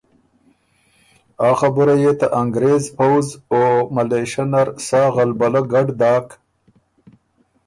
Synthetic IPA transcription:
ɑːxabəɾajet̪aʔaŋɡɾezpawzomaleʃanaɾsɑːɣalbalaɡaɖd̪ɑːk

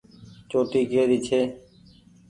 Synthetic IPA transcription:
t͡ʃoːʈ̪iːɡeːɾiːt͡ʃʰeː

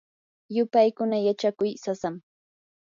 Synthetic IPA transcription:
jʊpajkʊnajat͡ʃakʊjsasam

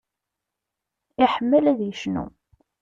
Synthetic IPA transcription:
ɪħəmːəlæðjəʃnṵ

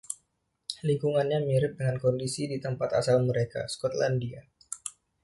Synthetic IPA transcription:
liŋkuŋanɲamiɾɪp̚dəŋankɔndisidit̪əmpat̪a̰salməɾeka̰skɔt̪landia

